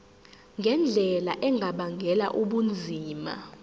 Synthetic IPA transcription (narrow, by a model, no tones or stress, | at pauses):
ŋɡʱɛnd͡ɮʱɛlaʔɛŋʱaɓaŋʱɛla̰ʔuɓund͡zʱiːma̰